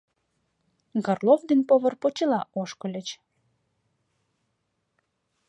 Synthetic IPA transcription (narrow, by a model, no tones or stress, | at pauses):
ɡɑrlˠovd̪enpoβɤ̆rpot͡ɕəlɑʔoʃkɤ̆lʲə̆t͡ɕ